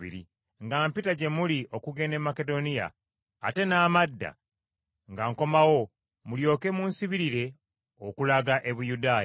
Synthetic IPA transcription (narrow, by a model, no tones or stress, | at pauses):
ḭɾḭ | ŋɡaːmpitaɟe̞muliʔo̞kuɡe̞ne̞mːake̞do̞nija̰ː | te̞naːmadːa̰ | ŋɡaŋko̞mawo̞ | muljo̞ːke̞munsiβiɾiɾe̞ | okulaɡaʔe̞βujudaːj